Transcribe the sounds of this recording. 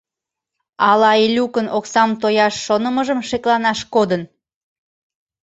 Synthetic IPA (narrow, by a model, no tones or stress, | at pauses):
ɑlɑilʲukənoksɑmt̪ojɑʃːonəməʒəmʃeklɑnɑʃkod̪ən